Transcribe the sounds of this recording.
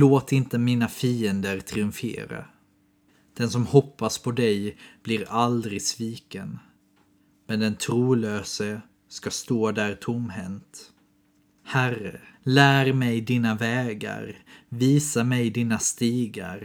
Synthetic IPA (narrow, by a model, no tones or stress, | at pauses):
loːt̪ɪnt̪əmiːnafiːənd̪əɾt̪ʰɾɪɵɱfḛːɾa̰ | d̪̥ɛnsɔmhɔpːaspʰɔd̪ɛjb̥lɪɾald̪ɾɪɡsviːkən | mɛnd̪ɛnt̪ʰɾuːløːsə | skast̪oːd̪æːɾt̪ʰʊmːɦɛnt̪ | hærə̰læːɾmɛjd̪iːnavɛːɡa̰ɾviːsamɛjd̪iːnast̪iːɡa̰ɾ